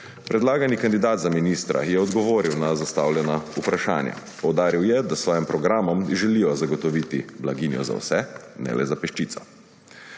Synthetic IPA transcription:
pɾɛd̪laːɡanikand̪id̪aːt̪zaminist̪ɾa̰jɛɔd̪ɡɔʋoːɾiwnazast̪aːwljɛnaupɾaʃa̰ːnja̰ | pɔwd̪aːɾiwjɛd̪asʋɔːjimpɾɔɡɾaːmɔmʒɛlijɔzaɡɔt̪ɔʋiːt̪ḭblaɡiːnjɔ̰za̰wsɛnɛ̰lʔɛ̰zapɛʃt͡ʃiːt̪sɔ̥

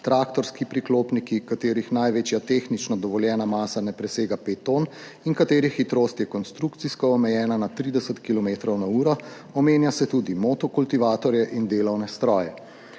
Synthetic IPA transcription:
t̪ɾaːkt̪ɔɾskipɾikloːpnikikat̪eːɾixnajʋet͡ʃjat̪exnit͡ʃnɔd̪ɔʋɔljɛːnamaːsanɛpɾɛseːɡapeːt̪ːon | inkat̪eːɾixːit̪ɾoːst̪jɛkɔnst̪ɾukt̪siskɔːmɛjɛːnanat̪ɾiːd̪ɛsət̪kilɔmeːt̪ɾɔwnauːɾɔ | ɔmeːnjasɛt̪ud̪imot̪ɔkult̪iʋaːt̪ɔɾjɛʔind̪eːlɔwnɛst̪ɾɔːjɛ

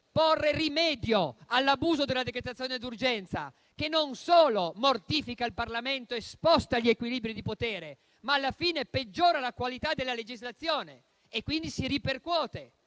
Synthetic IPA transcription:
porːerimɛːd̪joalːabuːzod̪elːad̪ekɾet̪at̪sːjoːned̪urd͡ʒɛnt̪sa̰ | k̟enːonsoːlomort̪iːfikailparlament̪oespɔst̪aʎːiekwiliːbɾid̪ipot̪eːɾe | maːlːafiːneped͡ʒːoːɾalakwalit̪ad̪ːelːaled͡ʒizlat̪sːjoːneː | kːwind̪isiɾiperkwɔːt̪e

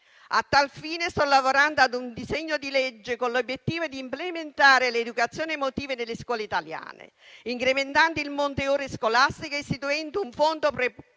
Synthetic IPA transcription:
at̪ːalfiːnest̪ɔlavoɾand̪oad̪und̪izeɲːod̪iled͡ʒːekonlobjet̪ːiːvod̪iːmplement̪aːɾɪled̪ukat̪sjoːnemot̪iːvenelːɪskwɔːleit̪alja̰ːnḛ | iŋkɾement̪ant̪ilmont̪eoːɾeskolast̪ikoist̪it̪uɛnd̪uɱfond̪opɾe

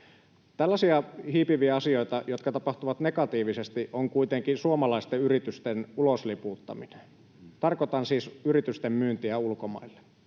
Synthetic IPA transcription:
t̪ælːæsiɑhiːpiʋiæɑsio̞it̪ɑjot̪kɑt̪ɑpɑht̪uʋɑt̪nekɑt̪iːʋisest̪iʔoŋkuit̪eŋkisuomɑlɑist̪eyrit̪yst̪enuloslipuːt̪ːɑ̰minen | t̪ɑrkot̪ɑnsiːsyrit̪yst̪emmyːnt̪iæulkomɑ̰ilːe̥

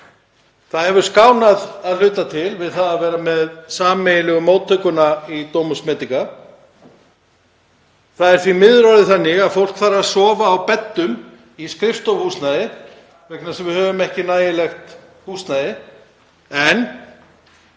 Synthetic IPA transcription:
θaðhɛvʏɾ̥skaːwnaðaðlʏːt̪at̪ʰɪlvɪðθaðavɛːɾamɛðsaːmɛjɪlɛɣʏmoːwt̪ʰːœɥkʏnait̪oːwmʏsmɛːt̪iŋka | θaðɛɾ̥θɾimɪðɾɔɾðɪθanːɪɣaðfowl̥kθaɾasɔːvaːwpɛt̪ːʏm | iskɾɪft̪ɔhuːsnajðɪ | vɛknaɾ̥sɛmvɪðhœːvʏmɛhcɪnaːjɪlɛxt̪ | huːsnajɪ | ɛn

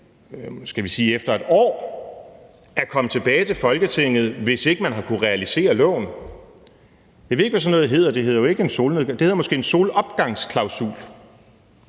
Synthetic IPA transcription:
sɡ̥æʋisiːefd̥ɐe̝d̥ɒ̰ː | æɐkʰɒ̽mˠt͡sʰe̝b̥ɛːɪt͡sʰe̝fɒ̽lɡ̥ət͡sʰe̝ŋ̰ð̞̩ˠʋe̝se̝ɡ̥əmænɦɑ̈kʰuʁɛælise̝̰ːɐlɔ̰̽ːn | jɑ̈ʋe̝e̝ɡ̥ʋæsɒ̽nːɔðˠɦe̝ð̰ˠɐd̥e̝ɦe̝ð̞̰ˠɐjoe̝ɡ̥əenso̝̰ːlneðˠd̥e̝he̝ðˠɐmɒ̽sɡ̥e̝̰ːenso̝ːlɒ̽b̥ɡ̥ɑ̈ŋskʰlɑ̈ʊsṵl

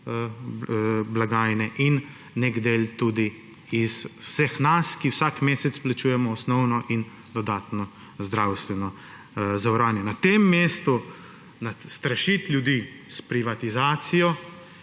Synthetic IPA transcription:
blaɡaːjnɛʔinː | eɡd̪eːlt̪uːd̪i | iswsɛxnaskiwsakmeːsɛtsplat͡ʃuːjɛmɔːsnɔwnɔʔin | d̪ɔd̪aːt̪nɔ | zd̪ɾawst̪ʋɛnɔ | zawɾaːnjɛnat̪emːeːst̪u | nast̪ɾaʃit̪ljud̪i | spɾiʋat̪izaːt̪sijɔ

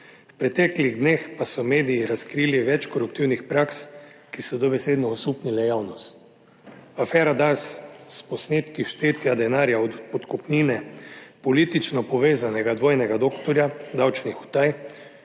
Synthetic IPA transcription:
fpɾɛt̪ɛːkliɣd̪neːxpasɔmeːd̪ijiɾaskɾiːliʋɛt͡ʃkɔɾupt̪iwnixpɾakskisɔd̪ɔbɛseːd̪nɔɔsuːpnilɛjawnɔst̪ | afɛːɾad̪asːpɔsneːt̪kiʃt̪eːt̪jad̪ɛnaːɾjaɔpɔt̪kɔpniːnɛpɔlit̪it͡ʃnɔpɔʋeːzanɛɡad̪ʋoːjnɛɡad̪okt̪ɔɾjad̪awt͡ʃnixu̥t̪aj

